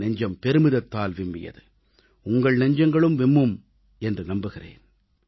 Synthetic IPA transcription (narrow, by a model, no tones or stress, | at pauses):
nɐɲd͡ʒɐmpɛɾɯmɯðɐt̪ːaːlʋɪmːɪjɐ̰ðɯ | ʊŋɡɐɭnɐɲd͡ʒɐŋɡɐɭɯmʋɛmːɯm | ɛndrɯnɐmbɯɣɪrḛːn